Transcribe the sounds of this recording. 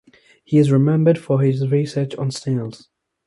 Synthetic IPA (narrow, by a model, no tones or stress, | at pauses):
hiɪzɹɨmɛ̃mbəd̥fəɪzɹisɜ˞t͡ʃn̩steɪlˠz̥